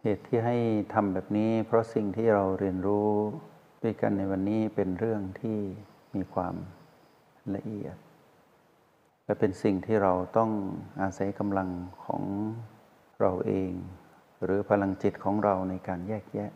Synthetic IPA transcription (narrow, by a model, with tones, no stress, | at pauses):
heː˨˩t̪ʰːiː˥˩ɦa˥˩jt̪ʰa˧mbɛː˨˩p̚niː˦˥pʰɾɔ˦˥si˨˩ŋt̪ʰiː˥˩ɾa˧wɾi˧ənɾuː˦˥ | d̪uː˥˩ka̰˧nːa˧jwa˧nːiː˦˥pe˧nɾɯ˥˩əŋt̪ʰiː˥˩ | miː˧kʰwa̰ː˧m | la̰˧ʔi˨˩ət̪̚ | lɛ˦˥˩pe˧nsi˨˩ŋt̪ʰiː˥˩ɾa˧wt̪ɔ˥˩ŋʔaː˧sa˨˩˦jka˧mla˧ŋkʰɔ̰ː˩˦ŋ | ɾa˧wʔeː˧ŋ | ɾɯː˩˦pʰa˧la˧ŋt͡ɕi˨˩t̪̚kʰɔː˩˦ŋɾa˧wna˧jkaː˧njɛː˥˩k̚jɛ˦˥ʔ